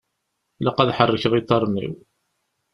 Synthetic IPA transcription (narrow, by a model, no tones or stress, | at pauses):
ləqæðħərˤːəçəʁit̪ˤːɑɾˤnḭw